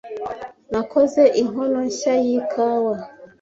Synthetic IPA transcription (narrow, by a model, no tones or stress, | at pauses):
nakʰɔzɛʔiɦɔnɔʃajikʰawa